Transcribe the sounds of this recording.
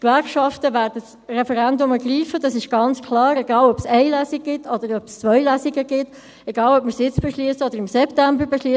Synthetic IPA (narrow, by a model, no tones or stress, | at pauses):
kvɛɾkʃɑftəvæːɾdəs | rɛfɛɾændʊməɡ̥riːfəd̥ɑsɪʃɡ̥ɑnt͡skʰlɑːɾɛɡɑːlœpsɛɪlæsɪk̚ɡ̥ɪtʰɔd̪əɾœpst͡sʋœʏlæsɪɡəɡɪt | ɛɡ̥ɑːlœpməɾsɪt͡sb̥eʃliəsəɔd̪əɾɪmsɛptæmbəɾbeʃliəs